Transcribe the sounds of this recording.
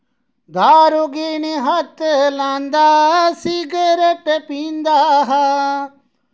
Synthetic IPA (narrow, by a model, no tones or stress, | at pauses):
d̪aːɾoɡiːniɦət̪lãːnd̪aːsiɡəɾeʈepĩːnd̪aːɦ